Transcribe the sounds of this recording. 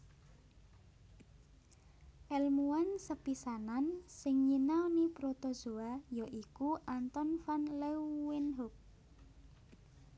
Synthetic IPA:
ʔɛlmuansəpisanansɪŋɲinawnipɾot̪ɔ̥z̥oajɔʔikuʔant̪ɔnfanlɛwɪnɦuk̚

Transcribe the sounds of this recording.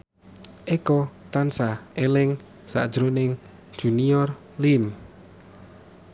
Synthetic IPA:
ʔekɔt̪ansaelɪŋ | sa̰ʔd̥ʒ̥ɾonɪŋ̥ | uniɔr | lim

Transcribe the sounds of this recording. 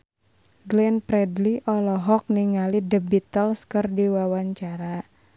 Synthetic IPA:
ɡlɛnpɾɛdliʔɔlɔɦɔk̚niŋalidəbit̪əlskərdiwawaɲt͡ʃaɾa

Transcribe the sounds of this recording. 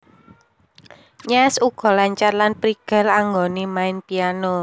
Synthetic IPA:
ɲɛsuɡ̥ɔ̤laɲt͡ʃarlanpɾiɡ̥a̤laŋɡonimaɪnpiano

